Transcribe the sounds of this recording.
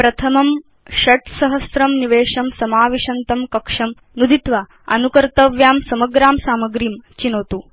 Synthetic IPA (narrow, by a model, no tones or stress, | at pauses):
pɾɐt̪ʰɐmɐm | ʃɐʈsɐɦɐsɾɐmniʋeːʂɐmsɐmaːʋiʂɐnt̪ɐmkɐkʂɐm | nud̪ʱit̪ʋa | ɐ̰nukɐɾt̪ɐʋjaːmsɐmɐɡɾaːmsaːmɐɡɾiːmt͡ʃinoːt̪u